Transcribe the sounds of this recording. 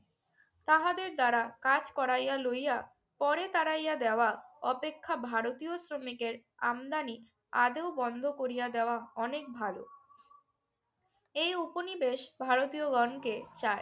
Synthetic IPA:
t̪aɦad̪eɾd̪aɾakad͡ʑkɔɾajalojja | pɔɾet̪aɾajad̪eoaɔpekʰːabʱaɾot̪iosɾomikeɾ | a̰md̪ani | a̰d̪eobɔnd̪ʱokoɾijad̪eoaɔnek̚bʱalo | ejuponibeʃbʱaɾot̪ioɡɔnket͡ɕae

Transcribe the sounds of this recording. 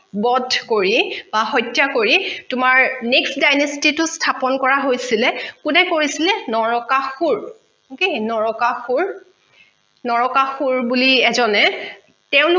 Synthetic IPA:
bɔdʱkoɹib̥aɦɔjtjakoɹitʊmaɹneksdajnɔstitʊstʰapɔnkɔɹaɦojsilɛkunɛkoɹisilɛnɔɹɔkaxuɹ | okenɔɹɔkaxuɹ | nɔɹɔkaxuɹbuliɛzɔnɛ | tɛʊ̃lʊ

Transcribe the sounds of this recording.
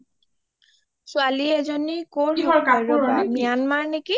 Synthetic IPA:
sʊaliɛzonikoɔkaɔmijanmaɹneki

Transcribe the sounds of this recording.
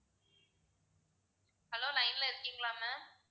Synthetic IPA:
hɐloːlɐɪnlɐɪɾɯkːiŋɡlaːmɛ

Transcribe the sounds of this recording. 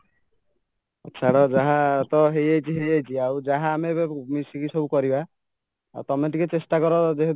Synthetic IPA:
ɔ̰tːt͡ʃʰaɾɔd͡ʒaɦat̪ɔɦejajt͡ʃʰiɦejajt͡ʃʰiawd͡ʒaɦaːmemisikisɔbukɔɾiba | a̰wt̪ɔmeʈiket͡ʃesʈakɔɾɔd͡ʒeɦe

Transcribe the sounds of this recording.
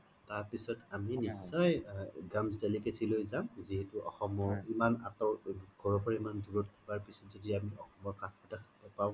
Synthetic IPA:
taɹpisɔtaminisːɔjɡamzdelikesilojzamziɦɛtuʔɔ̰xɔmɔimana̰tɔɹɡʱɔɹɔpɔɹimandʱuɹɔtkʰibaɹpisɔtzɔdiamiʔɔxɔmɔkanɔtakʰabɔpaw̃

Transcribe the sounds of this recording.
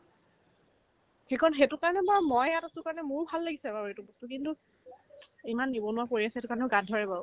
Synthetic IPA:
xekɔnxetʊkaɹɔnɛbaɹmɔjatasʊkaɹɔnɛmʊɹbʱalːaɡisɛbabetubɔstʊkintu | imanːibɔnʊwapoɹiasɛetʊkaɹɔnɛɡadʱɔɹɛbaʊ

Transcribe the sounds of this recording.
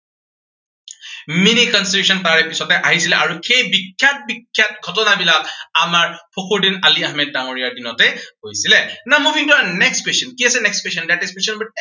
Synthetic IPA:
minikɔnstitusɔntaɹɛpisɔtɛʔaɦisilɛʔaɹuxejbikʰːjak̚bikʰːjat̚ɡʱɔtɔnabilak̚amaɹpʰoxʰuɹdinaliahmɛd̚ːaŋoɹijaɹdinɔtɛhojsilɛnamubʱiŋtuanɛkstkwestjɔnkiasɛnɛkskwesjɔndateskwesɔnbɔ

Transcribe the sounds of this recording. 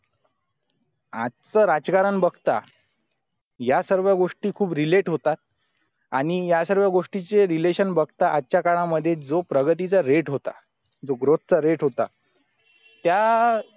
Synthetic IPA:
a̰t̪t͡səɾad͡zkaɾənbəɡt̪a̰ | jasəɾʋjaɡoʂʈiːkʰuːbɾileʈɦot̪at̪̚ | aɽ̃ijasəɾʋjaɡoʂʈit͡seɾileɕənbəɡt̪aʔat̪ːt͡ɕjakaɭ̃aməd̪ʱːjet͡sd͡zopɾəɡət̪̬it͡saɾeʈɦot̪a̰ | d͡zoɡɾot̪̚t͡saɾeʈɦot̪a̰ | t̪ja

